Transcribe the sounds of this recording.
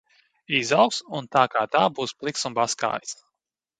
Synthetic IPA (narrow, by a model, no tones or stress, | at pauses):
izawksunt̪aːkaːt̪aːbuːsplˠiksunbaska̰ːjs